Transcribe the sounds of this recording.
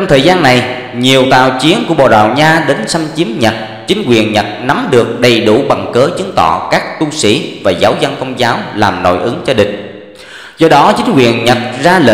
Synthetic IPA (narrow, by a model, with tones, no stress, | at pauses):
t͡ɕɔ˧wŋ͡mt̪ʰəː˨˩jzaː˧nːa˨˩j | ɲi˨˩əwt̪a̰ː˧˨wt͡ɕi˨˦ənku˧˩əɓo̰˧˨˩ɗa̰ː˧˨wɲaː˧ɗe˨˦nsa˧mt͡ɕi˨˦əmɲə˨˩t̚ | t͡ɕï˨˦ŋ̟kwḭ˨˩ənɲə˨˩t̚na˨˦mɗɨ˨˩ək̚ɗə˨˩jɗu˧˩ɓa˨˩ŋkəː˨˦t͡ɕɨ˨˦əŋt̪ɔ̰˧˨kaː˦˥k̚t̪u˧sḭ˧˩vaː˨˩zaː˨˦wzə˧nkə˧wŋ͡mzaː˨˦wlaː˨˩mno̰˧˨jʔɨ˨˦ŋt͡ɕɔ˧ɗï˨˩ŋ̟ | zɔ˧ɗɔ˨˦t͡ɕï˨˦ŋ̟kwḭ˨˩ənɲə˨˩t̚zaː˧lə̰˧